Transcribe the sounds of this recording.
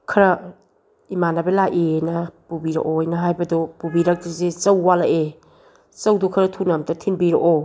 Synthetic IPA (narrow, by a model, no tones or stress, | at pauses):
kʰɐɾɐ | imanabɐlaʔiejnɐpubiɾɐ̰ʔojnɐɦajbɐdupubiɾɐk̚tuzit͡ʃɐwːalaʔe | t͡ʃɐwdukʰɐɾɐtʰunɐmtʰɐtʰinbiɾɐʔo